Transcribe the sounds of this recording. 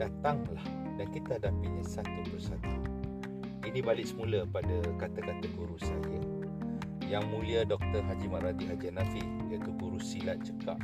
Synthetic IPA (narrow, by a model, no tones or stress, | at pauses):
d̥at̪aŋlah | dankit̪ahadapiɲasat̪upusat̪u | inibalɪʔsəmuləpadakat̪akat̪aɡuɾusajə | jaŋmũliadɔk̚t̪ərɦad͡ʒimaɾad̪iɦad͡ʒanãfi | iat̪uɡuɾusilaʔ̪̚t͡ʃəkap̚